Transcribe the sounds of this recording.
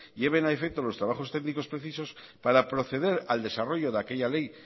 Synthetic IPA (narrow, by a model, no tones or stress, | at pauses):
ʎe̞β̞e̞naefek̚t̪olo̞st̪ɾaβ̞axo̞st̪eɣniko̞spɾe̞θiso̞s | paɾapɾo̞θe̞ð̞e̞ɾald̪e̞saro̞ʝo̞ðake̞ʎale̞j